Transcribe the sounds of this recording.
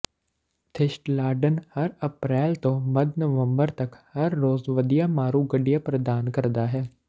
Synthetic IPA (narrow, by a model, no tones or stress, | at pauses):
t̪ʰɪʃʈlaːɾɖənhɐɾɐpɾɛːlt̪õmɐd̪nəʋə̃mbəɾt̪ɐkhɐɾːoːzʋəd̪ɪjamaːɾuɡəɖijapɾəd̪aːnkɐɾd̪aːɦɛː